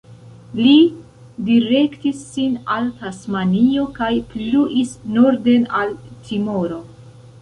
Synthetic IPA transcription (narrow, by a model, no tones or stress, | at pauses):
li | diɾe̞ktisːinaltasmanio̞kajpluʔisno̞ɾde̞naltʰimo̞ɾo̞